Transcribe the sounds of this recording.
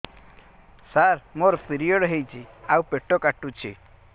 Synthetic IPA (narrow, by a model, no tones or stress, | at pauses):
saɾmoɾpiɾijoɽɦejt͡ʃʰiaupeʈːɔkaʈːut͡ʃʰi